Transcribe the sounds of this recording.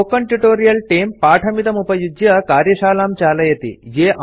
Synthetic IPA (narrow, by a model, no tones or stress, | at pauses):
okɐɳʈiʈoːɾijɐlʈeːmpaːʈʰɐmit̪ɐmupɐjud͡ʒjɐɐkaːɾjɐʃaːlaːmt͡ʃaːlɐjɐt̪ḭjeːʔɐ